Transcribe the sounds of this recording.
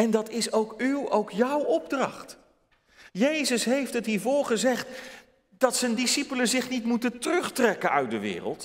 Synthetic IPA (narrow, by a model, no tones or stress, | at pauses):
ɛndɑtɪsowkywowkjʌwɔb̚drɑ̰χt | jejzəsɦejftətɦiːɹvʊːɹχəzɛχt | d̥ɑtsəndisipələzɪχnitmutəntərɵχtrɛkənœɥt̚dəʋɪ̰ːrə̰lˠt